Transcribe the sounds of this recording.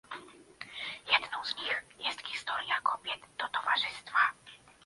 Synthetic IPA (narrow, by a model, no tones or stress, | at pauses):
jɛd̪nɔ̃w̃zɲixjɛst̪xʲi̥st̪ɔɾʲjakʰɔbʲjɛd̪d̪ɔt̪ɔva̰ʐɘst̪fa